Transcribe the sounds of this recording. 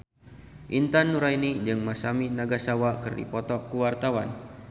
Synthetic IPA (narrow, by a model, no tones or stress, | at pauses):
ʔint̪anːuɾajnid͡ʒɨŋmasaminaɡasawakɨrdḭpɔt̪ɔkuwart̪awan